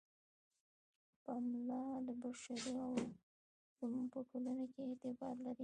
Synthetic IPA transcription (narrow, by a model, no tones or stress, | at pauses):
pamlɑd̪əbaʃaɾiaw | mupəkʰolanakeːt̪ɪbɑd̪laɾi